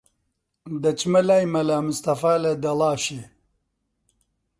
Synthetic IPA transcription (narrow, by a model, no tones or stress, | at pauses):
d̪ɐt͡ʃmɐlaːjmɐlaːmust̪ɐfaːlɐd̪ɐlaːʃe